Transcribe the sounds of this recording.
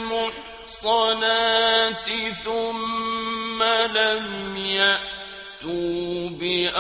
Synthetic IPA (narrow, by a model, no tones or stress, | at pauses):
mʊħ | sˤɑnaːt̪ɪθʊmː | alamjaʔ | t̪uːbɪʔ